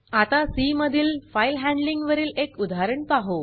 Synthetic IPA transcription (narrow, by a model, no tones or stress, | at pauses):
at̪asiməd̪ʱiːlfajlɦɛ̃ɳɖliŋɡʋəɾiːlekud̪ʱaɾəɳpaɦo